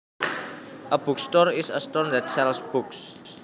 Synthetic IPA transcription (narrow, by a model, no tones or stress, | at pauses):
ʔəb̥ukst̪ɔrɪsəstɔrnd̪ɛt̪̚sɛlsb̥uks